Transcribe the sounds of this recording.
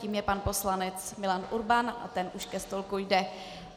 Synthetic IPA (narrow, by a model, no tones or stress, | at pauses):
iːmjɛpanpo̞slanɛt͡smɪlanʔuɾbanʔa̰t̪ɛnʔuʃkɛst̪o̞lkujdɛ